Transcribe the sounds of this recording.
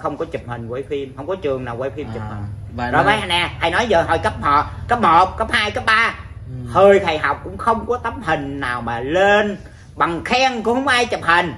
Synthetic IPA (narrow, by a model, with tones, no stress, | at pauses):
xə˧wŋ͡mkɔ˨˦t͡ɕɨ˨˩p̚hï˨˩ŋ̟vwə˨˧˨jfi˧mxə˧wŋ͡mkɔ˨˦t͡ɕɨ˨˩əŋnaː˨˩wəː˧˦jfi˧mt͡ɕɨ˨˩phï˨˩˨zo˨˩maː˨˦jʔa˧nʔɛ˧˩t̪ʰa˨˧˩jnɔ˨˦jzəː˨˩ɦɔ̰˨˩jkə˦˥p̚hɔː˨˩kə˦˥p̚moː˨˩t̚kə˦˥p̚haː˧jkə˦˥p̚ɓaː˧ | həː˧˩jt̪ʰə˨˩jɦa˨˩wk͡p̚kʊ̰˧˥ŋ͡mxə˧wŋ͡mkɔ˨˦t̪ə˨˦˥m̚hï˨˩ŋ̟naː˨˩wmaː˨˩le˧n | ɓa˨˩ŋxɛ˧ŋkʊ̰˧˥ŋ͡mhwŋ͡mʔaː˧jt͡ɕə˨˩p̚hï˨˩ŋ̟